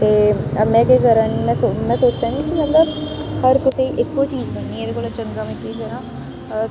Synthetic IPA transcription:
t̪eːmɛ̃ːkekəɾaːnːmɛ̃ːsomɛ̃ːsoːt͡ʃd͡ʒãːŋɡikimət̪ləbhəɾkʊsiʔɪkːoːt͡ʃiːd͡ʒbənːiːɛːd̪eːkoːlat͡ʃəŋɡaːmɛ̃ːkekəɾãː

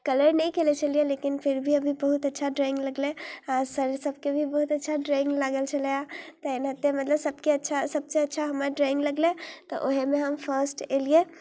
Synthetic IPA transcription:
kələɾnəĩkelet͡ʃʰəlielekinpʰiɾbʱiəbʱibəɦut̪ətːʃʰaɖɾaɪ̃ŋɡləɡlẽasəɾsəb̚kebʱibəɦut̪ətːʃʰaɖɾaɪ̃ŋɡlaɡəlt͡ʃʰəljat̪ɔenɦət̪ːemət̪ləbsəb̚keətːʃʰasəb̚seətːʃʰaɦəməɾɖɾaɪ̃ŋɡləɡlet̪ɔ̰ʔoɦemeɦəmpʰəɾsʈelie

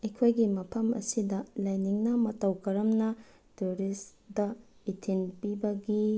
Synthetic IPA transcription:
ekʰojɡimɐpʰɐmɐ̰sidɐlɐjniŋnɐmɐtɐwkɐɾɐmnɐ | tuɾisdɐitʰinpibɐɡi

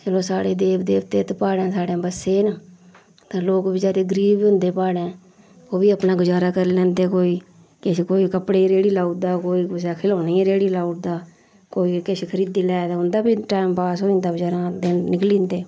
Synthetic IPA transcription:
t͡ʃəlõːsaːɽeːd̪eːbd̪eːʋt̪eːt̪paːɽẽːsaːɽẽːbəsːeːnə | t̪ãːloːkbid͡ʒaːɾeːɡəɾiːbiːɦʊ̃nd̪eːpaːɽẽː | oːbiːəpnaːɡʊd͡ʒaːɾaːkəɾlɛ̃ːnd̪eːkoːiː | kɪʃkoːiːkəpɽeːɾeːɽiːlaːuʈd̪aːkoːiːʊsaːkʰɪloːniːɾeːɽiːlaːuʈ̚d̪aː | koːiːkɪsekʰəɾiːd̪iːlɛːd̪aʊnd̪aːbiːʈaːɪmpaːsɦõːnd̪aːɡʊd͡ʒaːɾãːd̪eːnɪklĩːnd̪eː

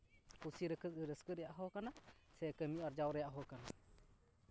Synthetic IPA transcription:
kusiɾəkʰət̚ɯɾəskəɾɛjaʔɦɔkanasɛkəmiʔɔɾd͡ʒawɾɛjaʔɦɔkana

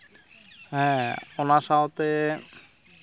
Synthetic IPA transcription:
ɦɛ̃onaʃaot̪e

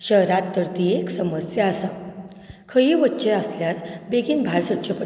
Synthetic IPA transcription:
ɕəɦɾat̪ːəɾt̪ieksəməsjaːsã | kʰəjiːʋətːɕeəsljat̪beɡiːnbʱaɾsəʈ̚t͡ɕʰəpə

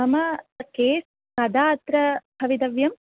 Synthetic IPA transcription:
ɐmɐkeːs | kɐd̪aːt̪ɾɐbʱɐʋid̪ɐʋjɐm

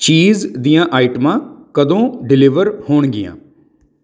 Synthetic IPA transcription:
t͡ʃiːzd̪ijãːʔaːɪʈmãːkəd̪õːɖɪlɪʋəɾhoːɳɡɪ̰jã̰ː

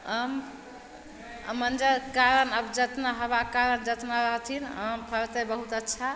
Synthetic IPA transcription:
əm | mənd͡ʒəɾkaɾənəbd͡ʒət̪naɦəbakaɾənd͡ʒət̪naɾəɦt̪ʰinəmpʰəɾt̪əbəɦut̪ətːʃʰa

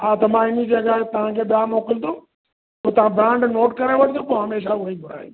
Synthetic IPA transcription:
at̪ɐmãɪnid͡ʑeːɡaːɦɛt̪ɐʋ̤ãkʰeːɓɪjamoːkɪlt̪ʰoː | pot̪ɐʋ̤ãbɾãːɳɖnoːʈkɐɾãʋɐʈʰt̪ʰoːpoːɦɐmeːʃaʊibʱʊɾ̤a̰ːjḭ̃

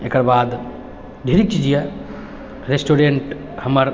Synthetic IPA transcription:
ekəɾbad̪ | ɖʱeɾik̚t͡ʃid͡ʒijɛ | ɾesʈoɾeɳʈ | həməɾ

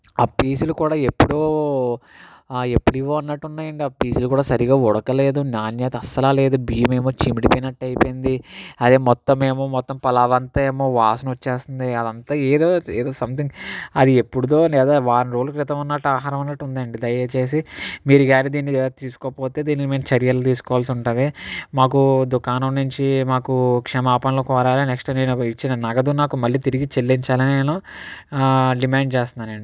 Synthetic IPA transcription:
aːpiːsulukuːɽaːe̞pːuɽoː | e̞pːuɽiʋːoːɐnːɐʈːunːaːjɐɳɖiaːpiːsulukuːɽaːsɐɾiɡaːɔɽɐkɐle̞ːd̪unaːnjaːt̪ɐsɐlaːle̞ːd̪ubiːme̞ːmoːt͡ʃimiɖipinɐʈːɐjipind̪iɐd̪eːmɔt̪ːɐmeːmoːmɔt̪ːɐmpɐlaːʋɐnt̪ɐeːmoːʋaːsɐnʋɐt͡ʃːeːst̪und̪iɐd̪ɐnt̪aːeːd̪oːeːd̪o̞ːsɐmt̪iŋɡɐd̪ie̞pːuɽud̪o̞ːlɛːd̪aːʋaːɾnɾoːlukɾit̪ɐmɐnːɐʈːuaːɦaːɾɐmɐnːɐʈːund̪aːɐɳɖid̪ɐjɐt͡ʃe̞ːs̬imiːɾuɡaːnid̪iːnːit̪iːsu̥kɔːpoːt̪e̞ːd̪iːnikmiːnɐt͡ʃeɾjɐlɐt̪iːsu̥kɔʋaːlsiuɳʈund̪imaːkud̪ukaːnɐmnuɲt͡ʃimaːkukʂɛmaːpɐɳloːkɔːɾaːlineksʈne̞ːnuit͡ʃːinɐnɐɡɐd̪unaːkumɐlːiːt̪iɾiɡit͡ʃelːiɲt͡ʃaːlɐnineːnu | ɖimaːɳɖt͡ʃeːst̪unaːneɳɖi

